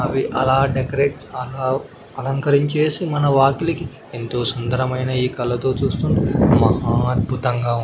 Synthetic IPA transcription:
ɐʋiʔɐ̰laːɖekɐɾeːʈ | ɐlaː | ɐlɐŋkɐɾiɲt͡ʃe̞ːsimɐnɐʋaːkiliki | ent̪o̞ːsɐnd̪ɐɾɐmɐjnɐiːkɐlːɐt̪o̞ːt͡ʃuːst̪uɳɖimɐɦaːɐd̪̚bʱut̪ɐŋɡaːu

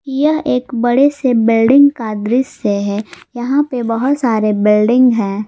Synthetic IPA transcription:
jɐɦeːkbɐɽesebɪlɖɪ̃ŋɡkaːd̪ɾɪseɦɛjɐɦãpebɐɦʊt̪saːɾebɪlɖɪ̃ŋɡɦɛ̃ː

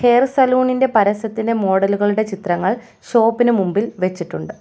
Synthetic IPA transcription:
he̞ːrsɐluːɳinde̞pɐɾɐsɐt̪ːinde̞mo̞ːɽɐluɣɐɭuɽe̞t͡ɕit̪rɐŋːɐɭ | so̞ːpːinumumbilʋe̞t͡ɕːiʈːuɳɖɨ

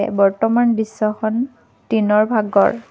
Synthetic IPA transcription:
ɛ̰bɔɹtɔmanbisːɔxʰɔn | tinɔɹbʱaɡɔ̰ɹ

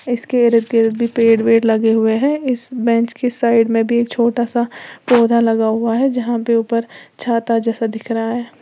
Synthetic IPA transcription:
ɪskeɪɾət̪̚keɪɾɪd̪̚bʱipeːɽweːɽlɐɡeɦʊeɦɛ̃ɪsbɛ̃ːt͡ʃkesaːɪɖmẽbʱieːkt͡ʃʰoːʈasapoːd̪ʱalɐɡaɦʊaɦɛd͡ʒɐɦãpeuːpəɾt͡ʃʰaːt̪ad͡ʒɛːsad̪ɪkʰɾɐɦaɦɛː

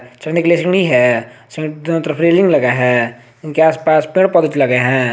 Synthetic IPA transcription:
t͡ʃɐɽnekeliesɪ̃ɡɽiɦɛːsɪ̃d̪t̪ɾpʰɾeːlɪ̃ŋɡlɐɡeɦɛ̃ː | ɪnkeaːspaːspɪ̃ɽpɔːd̪ɪt͡ʃlɐɡeɦɛ̃ː

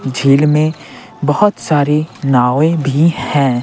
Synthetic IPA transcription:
d͡ʒʱeːlmẽ | bəɦʊt̪saːɾenaːʋẽbʱihɛ̃ː

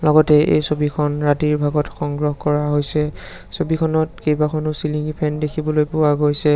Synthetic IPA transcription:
lɔɡɔtɛʔḛjsobikʰɔnɹatiɹbʱaɡɔtxɔŋɡɹɔɦkɔɹaɦojsɛ | sobikʰɔnɔtkejbakʰɔnʊsiliŋɡipʰɛndekʰibɔlojpʊwaɡojsɛ

